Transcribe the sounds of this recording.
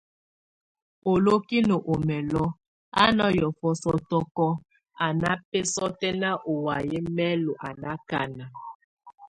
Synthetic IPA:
o˨lo˦ki˦no˨ʔo˨mɛ˨lɔ˦ | a̰˦nɔ˦jɔ˨fɔ˦sɔ˦tɔ˦kɔ˦ | a˨na˦pɛ˦sɔ˦tɛ˦na˦ʔo˨wa˨je˦mɛ˦lo˨ʔa˨na˦ka˦na˨

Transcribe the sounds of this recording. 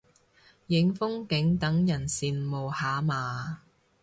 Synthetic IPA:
jɪ˨˧˥ŋfʊ˥ŋkɪ˨˥ŋt̪ɐ˨˥ŋjɐ˨˩nsiː˨nmo˨˩whaː˨˧maː˨

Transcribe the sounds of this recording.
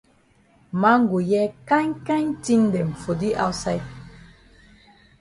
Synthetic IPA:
ma˦ŋ˦ɡu˨jɛ˦kã˦ɲkã˦ɲti˦ndɛ˨m̩˨fo˨di˦ʔa̰˦wsa˦j

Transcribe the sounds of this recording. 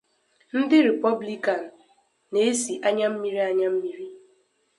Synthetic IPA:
n̩˦dɪ˦ɾe˨pɔ˦bli˦ka˨n̩˨ | ne˨˦si˨ʔa˦ɲa˦m̩˦mi˦ɾi˦a˦ɲa˦m̩˦mi˦ɾi˦

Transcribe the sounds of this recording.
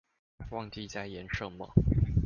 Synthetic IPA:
wɑ˥˧ŋt͡ɕi˥˧t͡sa˥˧ɪjɛ˨˧˥nʂɤ˥˩ŋmə̰˨

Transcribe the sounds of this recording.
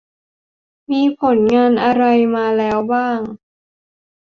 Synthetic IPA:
miː˧pʰo˨˩˦nŋaː˧nʔa˧ɾa˧jmaː˧lɛː˦˥wbaː˥˩ŋ

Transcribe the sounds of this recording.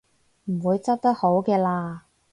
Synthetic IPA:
m̩˨˩wuː˨˧jt͡sɐ˥p̚t̪ɐ˥k̚ho˨˥wkɛː˧laː˧

